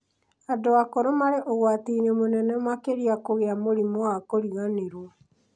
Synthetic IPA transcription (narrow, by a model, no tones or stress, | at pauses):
adoakoɾomaɾeʔoɣwatinɛmonɛnɛmwakeɾiakoɣeamoɾimɔwakoɾiɣaneɾwɔ